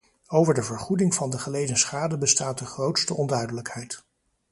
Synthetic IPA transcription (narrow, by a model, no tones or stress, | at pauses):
owvəɹdəvəɹχudɪŋvɑndəχəlejdənsχaːdəbəstaːt̚dəχrowtstəʔɔndœɥdələkhɛjt